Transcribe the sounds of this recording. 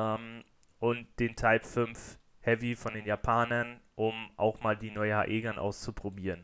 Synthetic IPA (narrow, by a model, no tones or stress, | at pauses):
ɛm | ʔʊntd̥eːntʰaɪpfʏnf | hɛvifɔndeːnjapʰaːnɐnʔʊmʔa̰ʊxmaːldiːnɔʏəha̰ːʔeːɡɐnʔa̰ʊst͡supʁ̥obiːʁən